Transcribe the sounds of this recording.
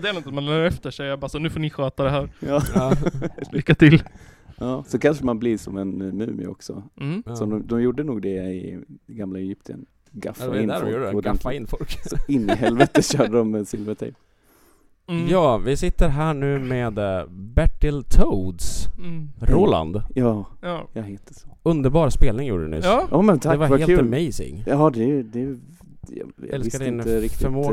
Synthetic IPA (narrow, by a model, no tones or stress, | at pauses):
d̪ɛæɾnɔt̪manlɛːɛft̪əʂɛjabɑːsɔnʉ̟ːfoːnɪɧœːt̪ad̪ɛɦæːɾɑː | lkːat̪ʰɪl | jɑːsɔkʰanʂəmanblɪʂɔmɛnmʉ̰ːm̰ɔ̰ksɔ̰sɔd̪ɔmd̪ɔmjuːɖːənuːɡ̚d̪ɛɪ̰ɡamlaɛjʏp̚t̪ʰɪə̰n | ɡa̰faɪnd̪ɾuːɖəd̪ɡɛafːaɪnːfɔlksɔɪnːɪɦɛlvɛt̪əɕœːɖədɔmsɪlvət̪ʰɛ̰ | jɑːvɪsɪt̪ːəɾɦæːɳʉ̟ːmeːd̪bæʈːɪlt̪ʰod̪s | ɾoːla̰nd̪jɑːjɑheːt̪əsɵnd̪əɾbɑːɾspeːlnɪŋjṵːɖənɪ̰ʔɑːmɛnt̪ʰad̪ɛvaɾhaeːlʉːmɛjsɪ̰ŋɑːd̪ɛd̪ɛ | jɑ̰jɛlsɪskad̪ɪɪnəɾɪktfɪɛmːo